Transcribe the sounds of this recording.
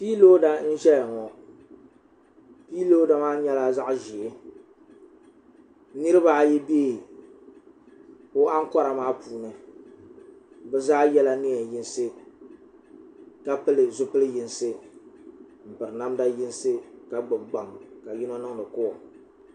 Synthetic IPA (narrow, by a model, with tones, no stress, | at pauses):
piː˦lo˦da˦n̩˦ʒɛ˦ja˨ŋɔ˨ | piː˦lo˦da˦maː˦ɲɛ˦la˦za˦ʔʒi˨ɪ˦ | nɨ˦ɾɨ˦ba˦jɛ˦beː˦˨ | o˦a˦ŋ˦kɔ˦ɾa˨maː˦puː˨nɨ˨ | bɛ˦zaː˦jɛ˦la˦nɪ˦ɛ˨ji˦nsɨ˦ | ka˦pɨ˦lɨ˨zʊ˦pɨ˦lɨ˦ji˦nsɨ˦ | m̩˨pɨ˨ɾɨ˨na˦mda˦ji˦n˦sɨ˦ka˦ɡ͡bɨ˨bɡ͡ba˨ŋka˨ji˦nɔ˦nɨ˦ŋ˦dɨ˨kʊ˦wɔ˨